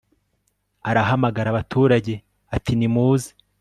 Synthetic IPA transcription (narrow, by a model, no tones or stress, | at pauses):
aɾaɦamaɡaɾaβatʰuːɾaɟe̞ | atinimuːzi̥